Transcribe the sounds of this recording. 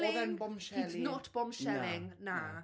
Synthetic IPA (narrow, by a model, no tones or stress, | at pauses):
lɪðɛnbɔmʃitnoːtʰb̥ɔmʃɛlɪŋna